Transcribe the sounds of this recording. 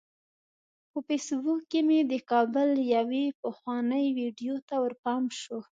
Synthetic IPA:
pəfesbukːemed̪əkɑbəljawepəxwɑnəjwiɖjot̪awəɾpɑmʃo

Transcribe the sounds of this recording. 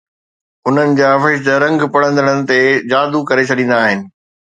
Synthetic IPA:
ʊn̤ənɪ̆d͡ʑaːɐfɪʃ̬d̪əɾɐ̃ŋɡpɐɽ̤ə̃nd̪əɽ̃ənɪ̆t̪ed͡ʑaːd̪ukɐɾet͡ɕʰɐɗĩːn̆d̪aːɦɪnɪ̆

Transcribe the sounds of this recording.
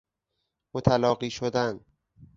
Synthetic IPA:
mot̪ʰælɒːɢiːʃod̪æn

